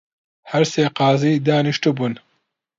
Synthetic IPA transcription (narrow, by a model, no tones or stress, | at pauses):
hɐɾseːqɑːziːd̪aːniʃt̪ubuːn